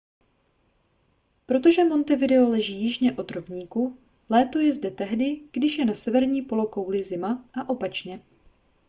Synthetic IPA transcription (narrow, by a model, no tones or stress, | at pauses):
pɾo̞t̪oʒɛmo̞nt̪ɛvɪdɛo̞lɛʒiːjɪʒɲɛʔo̞d̪ɾovɲiːku | lɛːt̪o̞jɛzdɛt̪ɛɦdɪɡ̥dɪʃjɛnasɛvɛɾɲiːpo̞lo̞kowlɪzɪmaʔaʔo̞pat͡ʃɲɛ